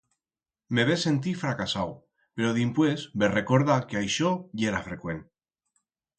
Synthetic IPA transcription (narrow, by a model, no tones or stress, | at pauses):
meβese̞nt̪ifɾakasaw | pe̞ɾoðimpwesberekoɾðakeajʃojeɾafɾe̞kwe̞n